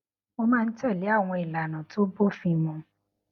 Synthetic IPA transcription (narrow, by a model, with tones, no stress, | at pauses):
o˧mãː˦˧n̩˦tɛ˦˨le˨˦a˦˨w̃ɔ̃˧i˨la˨nã˨to˦bo˦fĩ˧mũ˧